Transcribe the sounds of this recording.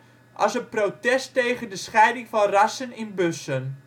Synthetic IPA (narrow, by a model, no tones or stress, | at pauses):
ʔɑ̰sənprowtɛstejɣəndəsχɛjdɪŋfɑnrasənɪnbøsən